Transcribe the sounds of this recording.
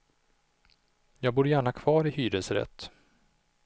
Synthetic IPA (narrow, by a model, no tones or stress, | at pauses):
jɑːɡ̚buːɾjæːɳakʰv̥ɑːɾɪhyːɾəsɾɛ̰t̪ː